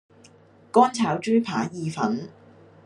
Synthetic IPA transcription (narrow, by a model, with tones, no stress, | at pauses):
kɔː˥nt͡sʰaː˨˥wt͡ʃyː˥pʰaː˨˥jiː˨˧fɐ̰˨˥n